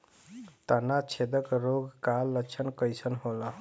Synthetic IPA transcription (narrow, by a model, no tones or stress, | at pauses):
t̪ənat͡ʃʰed̪əkɾoɡkalːət͡ʃʰənkəjsʰənɦola